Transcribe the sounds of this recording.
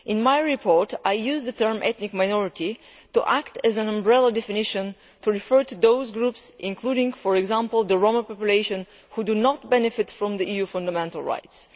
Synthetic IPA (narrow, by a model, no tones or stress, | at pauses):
ʔɪ̃nmajɹɪpʰɔɹtajjuzðət̪ɜ˞mʔɛt̪nɪkmajnɔɹɪti | tuʔæktɨzæ̃nãmbɹɛlˠədɛfɪnɪʃə̃n | tuɹɪfɜ˞tuðoʊzɡɹupsʔɪ̃nkʰluɾɪ̃ŋfɔɹɛɡzæ̃mpl̩ˠðəɹoməpɔpjuleɪʃə̃n | hudunɔt̚bɛnɪfɪtfɹɔ̃mðiʔijufʌ̃ndəmɛ̃ntəl̩ˠɹa̰ɪts